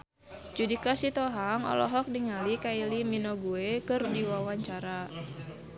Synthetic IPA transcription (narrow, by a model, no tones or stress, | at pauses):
d͡ʒudikasit̪ɔɦaŋɔ̰lɔ̰ɦɔk̚niŋalikailiminɔɡuekɨrdiwawaɲt͡ʃaɾa